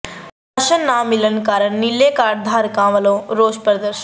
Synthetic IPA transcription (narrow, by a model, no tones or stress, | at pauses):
pɐʃənːaːmːilənkaːɾəɳnilːeːkaːɾd̪ʱaːɾkãːʋɐlõːɾoːspɾɐd̪əɾʃ